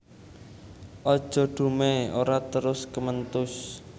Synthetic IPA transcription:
ʔɔd̥ʒ̥ɔ̤ɖ̪̥ṳmeoɾat̪əɾʊskəmənt̪ʊs

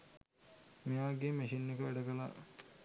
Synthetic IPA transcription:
mejaːɡemeʃinːekəʋæɖəɡəla̰

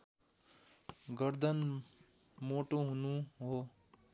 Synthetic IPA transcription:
ɡʌɾd̪ʱʌn | moʈoɦunuɦo

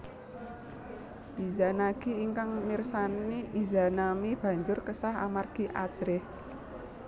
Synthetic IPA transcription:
izanaɡ̥iːŋkaŋmirsaniʔizanamib̥ä̤ɲd͡ʒʊrkəsaɦa̰marɡ̥iʔḁd͡ʒɾɪh

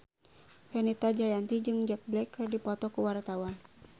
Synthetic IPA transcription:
fɛnɛt̪ad͡ʒajant̪id͡ʒɨŋd͡ʒɛk̚blɛkːərdipɔt̪ɔkuwart̪awa

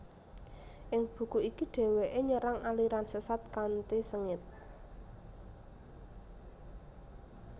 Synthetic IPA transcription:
ʔɪŋb̥ṳkuikiɖ̥e̤weʔeɲəɾaŋʔaliɾansəsat̪̚kant̪esəŋɪt̪̚

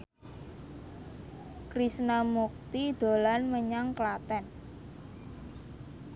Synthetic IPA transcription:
kɾisnamuk̚t̪id̪̥o̤lanməɲaŋklat̪ɛn

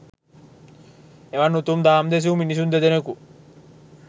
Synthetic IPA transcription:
eʋanːut̪umd̪aːmd̪es̬iuminis̬und̪ed̪eneku

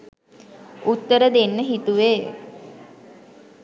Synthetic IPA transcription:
ut̪ːəɾəd̪enːəɦit̪uʋḛː

